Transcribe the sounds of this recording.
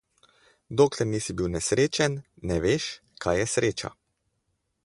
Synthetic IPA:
d̪oːklɛɾniːsibiwnɛsɾeːt͡ʃɛnːɛʋeːʃ | kʰajɛsɾeːt͡ʃa̰

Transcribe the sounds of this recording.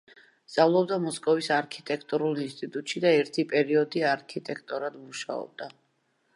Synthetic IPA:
st̪sʼavlˠɔbd̪amɔskʼɔvisaɾkʰit̪ʼɛkʰt̪ʼuɾulˠinst̪ʼit̪ʼut̪ʼʃid̪aɛɾt̪ʰipʼɛɾiɔd̪iaɾkʰit̪ʼɛkʰt̪ʼɔɾad̪muʃa̰ɔ̰b̚d̪a

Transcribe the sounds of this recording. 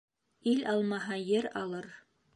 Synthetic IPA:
ilʔɑlˠmɑɦɑjɘɾɑlˠɤɾ

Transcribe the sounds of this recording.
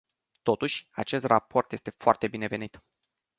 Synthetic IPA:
t̪o̞t̪uʃʲa̰t͡ʃe̞st̪rapʰo̞rt̪jest̪e̞foart̪e̞bine̞ve̞nit̪

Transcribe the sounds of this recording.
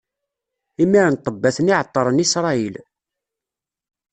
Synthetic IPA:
imːiɾənt̪ˤːəbːæθəniʕət̪ˤːɑɾˤənisɾˤɑil

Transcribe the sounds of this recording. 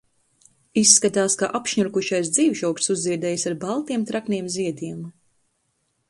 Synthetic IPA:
isːkat̪aːskaʔapʃɲuɾkuʃajs̬d̪ziːwʃɔwk̪suzːiɛd̪ɛjsaɾbalˠt̪iɛmt̪ɾakniɛmziɛd̪iɛm

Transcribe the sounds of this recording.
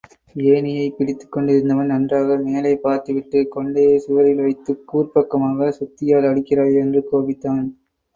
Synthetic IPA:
eːnɪjɐɪpɪɽɪt̪ːɯ̥kːɔɳɖɪɾɯnd̪ɐʋɐnnɐndraːɣɐmeːlɐɪpːaːɾt̪ɯʋɪʈːɯkɔɳɖɐjesɪʋɐɾɪlʋɐɪt̪ːɯkːuːrpɐkːɐmaːɣɐsʊt̪ːɪjaːlɐɽɪkːɪraːɭɛndrɯkoːʋɪt̪ːaːn

